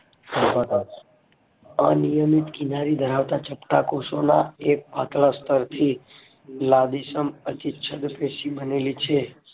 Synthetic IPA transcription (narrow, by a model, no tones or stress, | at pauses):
səɾpat̪a | a̰nijəmit̪kinaɾid̪ʱəɾaʋt̪at͡ʃəpʈakoʃonaek̚pat̪last̪əɾt̪ʰi | lad̪isəmət̪it͡ʃʰəd̪pesibənelit͡ʃʰe